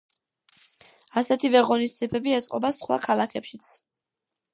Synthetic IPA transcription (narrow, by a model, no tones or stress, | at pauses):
asɛt̪ʰivɛʁɔnisd̪siɛpʰɛbiɛt̪sʼqʼɔbasχwa̰kʰalˠakʰɛpʃit̪sʰ